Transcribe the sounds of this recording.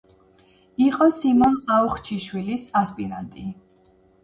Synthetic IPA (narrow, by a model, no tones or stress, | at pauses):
iqʼɔsimɔnqʼauχt͡ʃʰiʃwilisaspʼiɾa̰nt̪ʼi